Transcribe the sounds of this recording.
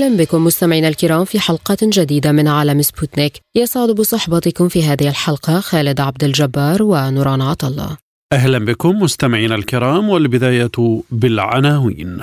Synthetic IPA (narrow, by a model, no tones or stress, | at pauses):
lanbɪkʊmːʊst̪amɪʕiːnalkɪɾˤɑːmfiːħɑlqɑd͡ʒad̪iːd̪amɪnʕaːlamɪsbʊt̪nɪkjɑsˤʕʊd̪ʊbsˤɑħbɑt̪ɪkʊmfiːɦaːðɪhɪlħɑlqɑxaːlɪd̪ʕab̚d̪ald͡ʒabːɑːɾˤwanʊɾˤɑːnʕɑt̪ɑlˤːɑ̰ː | ʔahlanbɪkʊmːʊst̪amɪʕiːnalkɪɾɑːmwalbɪd̪aːjabɪlʕa̰naːwḭːn